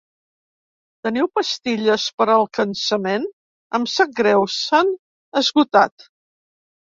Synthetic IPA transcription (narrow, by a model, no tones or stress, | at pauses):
t̪əniwpəst̪iʎəspəɾəlˠkənsəmen | ə̰msəɡɾɛwsan | əzɣut̪at̪